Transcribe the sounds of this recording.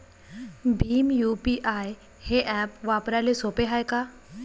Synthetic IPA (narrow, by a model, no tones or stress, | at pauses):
bʱiːmjuːpiʔaːj | heʔɛːpʋaːpɾalesoːpeɦaːekaː